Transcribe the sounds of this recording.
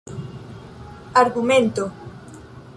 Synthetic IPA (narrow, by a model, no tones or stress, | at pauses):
aɾɣumẽnt̪o